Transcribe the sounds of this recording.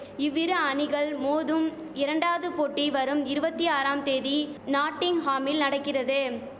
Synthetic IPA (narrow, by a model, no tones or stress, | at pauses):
ɪʋːɪɾɯɐɳɪɣɐɭmoːðɯm | ɪɾɐɳɖaːðɯpoːʈːiʋɐɾɯmɪɾɯbɐt̪ːiaːɾaːmt̪eːðinaːʈːɪŋhaːmɪlnɐɽɐkːɪrɐðɯ